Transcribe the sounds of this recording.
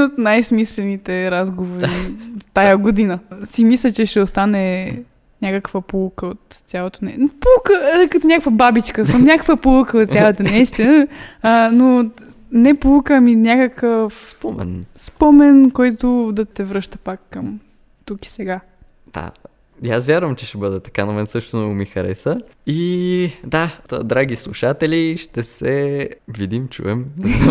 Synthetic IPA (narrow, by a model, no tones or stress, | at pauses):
ot̪najsmislɛnit̪ɛɾazɡovoɾiit̪ajaɡod̪inəsimislʲət͡ʃɛʃɛʊst̪anɛ | nʲakəkvəpulˠukəot̪ːsʲjalˠot̪onɛnpulˠukəkɐt̪onʲakəkvəbabit͡ʃkəsəmnʲakəkvəpolˠukəot̪sʲalˠət̪onɛst̪ə | no | nɛpolˠukəminʲjakəkəfspɔmɛ̰nspɔmɛnkɔjt̪ʊd̪ɐt̪ɛvɾɤʃt̪ə̥pakːɐm | t̪uki̥sɛɡa | d̪̥a̰ | jasvʲjaɾvəmt͡ʃɛʃt̪ɛbɤd̪ɛt̪ɐ̥kanɐmɛnt̪sɤʃt̪ʊnɔɡomixɐɾɛ̰səid̪a̰d̪ɾaɡislˠṵʃat̪ɛlʲiʃt̪ɛsɛvid̪imt͡ʃṵɛm